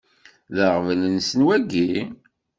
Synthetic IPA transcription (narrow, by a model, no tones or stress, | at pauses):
ðəʁvlənsənwæɡi